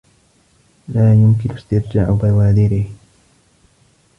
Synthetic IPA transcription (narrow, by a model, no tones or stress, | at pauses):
laːjʊmkɪnʔɪst̪ɪɾd͡ʒaːʕʊbawaːd̪ɪɾɪh